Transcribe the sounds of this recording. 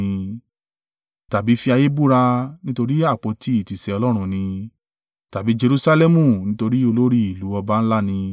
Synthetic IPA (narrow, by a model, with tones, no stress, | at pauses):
ĩ˧ | ta˨bi˨˦fi˧a˧je˦bu˦ɾa˧nĩ˦to˧ɾi˦a˦˨k͡po˧˦ti˦i˨ti˨sɛ˧ɔ˧lɔ˦ɾ̃ũ˧nĩ˧ | ta˨bi˨˦d͡ʒe˧ɾu˧sa˧lɛ˦mũ˦˨nĩ˦to˧ɾi˦o˧lo˦ɾi˦i˨lu˨˦ɔ˧ba˧˦n̩˦la˦nĩ˧